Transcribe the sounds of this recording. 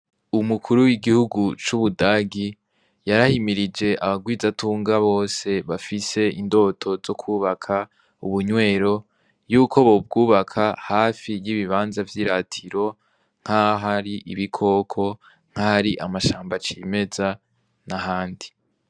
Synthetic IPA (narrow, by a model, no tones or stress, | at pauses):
umukʰuɾuwiɡihuɡut͡ʃuβudaːɡi | jaɾahimiɾid͡ʒe̞ʔaβaɡwiːzatuːŋɡaβo̞ːse̞βafise̞indo̞ːtʰo̞zo̞kʰuːβakʰa | uβuɲwe̞ːɾo̞ | juːkʰo̞βo̞b̚ɡuːβakʰahaːfijiβiβaːnzavjiːɾatʰiɾo̞ | ŋ̥haɦaɾiʔiβikʰo̞kʰo̞ | ŋ̥hahaɾiʔamaʃaːmbat͡ʃiːme̞za | naɦaːndi